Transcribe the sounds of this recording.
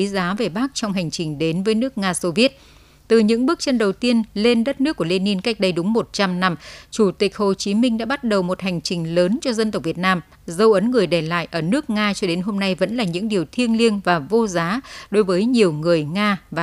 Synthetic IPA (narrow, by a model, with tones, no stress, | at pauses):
i˨˦zaː˨˦ve˨˩ɓa˦˥k̚t͡ɕɔ˧wŋ͡mɦa˨˩jŋ̟t͡ɕï˨˩ŋ̟ɗe˨˦nvəː˨˦jnɨ˦˥ək̚ŋaː˧so˧vi˦˥ət̚ | t̪ɨ˨˩ɲɨ̰˧˥ŋɓɨ˦˥k̚t͡ɕə˧nɗə˨˩wt̪i˧ənle˧nɗə˦˥t̚nɨ˦˥kːu˧˩le˧ni˧nka˦˥jk̟̚ɗə˧jɗʊ˨˦ŋ͡mmo˨˩t̚t͡ɕa˧mna˧mt͡ɕu˧˩t̪ï˨˩k̟̚ho˨˩t͡ɕi˨˦mï˧ŋ̟ɗa̰ː˧˥ɓa˦˥t̚ɗə˨˩wmo˨˩t̚ha˨˩jŋ̟t͡ɕï˨˩ŋ̟ləː˨˦nt͡ɕɔ˧zə˧nt̪ə˨˩wk͡p̚vi˨˩ət̚naː˧m | zə˧wʔə˨˦nŋɨ˨˩əjɗɛ˧˩la̰ː˧˨jʔəː˧˩nɨ˦˥ək̚ŋaː˧t͡ɕɔ˧ɗe˨˦nɦo˧mna˧jvə̰˧˥nlaː˨˩ɲɨ̰˧˥ŋɗi˨˩əwt̪ʰi˧ənli˧ənvaː˨˩vo˧zaː˨˦ɗo˨˦jvəː˨˦jɲi˨˩əwŋɨ˨˩əjŋaː˧vaː˨˩